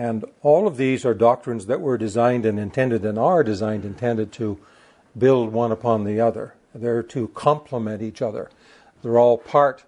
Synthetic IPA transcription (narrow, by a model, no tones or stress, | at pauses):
ɨ̃nɔlˠʌvðizə˞dɑk̚tɹ̥ɨ̃nzðɨʔwə˞dɨzãɪ̃ndɨ̃nɨ̃ntʰɛ̃ndɨɾɨ̃nə˞dɨzãɪ̃ndɨ̃ntʰɛ̃ndɨd̚tʰɨ | bɪlˠd̚wʌ̃nəpʰɑ̃nðiʌðə̰˞ | ðə˞ɾɨkʰɑ̃mpʰləmɛ̃ñit͡ʃʌðə̰˞ | ðə˞ɔlˠpʰɑɹt̚